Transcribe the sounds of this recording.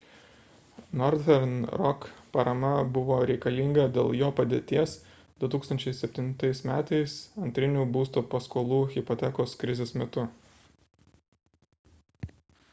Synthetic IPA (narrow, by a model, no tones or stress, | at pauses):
nɔɾd̪ʲɛɾnɾɔkpɐɾɐmɐbʊʋoːɾʲɛɪkɐlʲiŋɡɐd̪ʲeːlˠjoːpɐd̪ʲeːt̪ʲiɛs | d̪̥ʊt̪uːkst̪ɐnʲt͡ʃʲɛɪsʲɛpʲt̪ʲɪnt̪ɐɪsmʲæːt̪ɐɪsɐnʲt̪ʲɾʲɪnʲuːbuːst̪uːpɐskoːlˠuːɣʲɪpɔt̪ʲɛkoːskɾʲɪzʲeːsmʲɛt̪ʊ